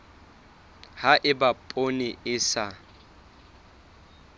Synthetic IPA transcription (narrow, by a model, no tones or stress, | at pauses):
haʔɪbapʼonɪʔɪsa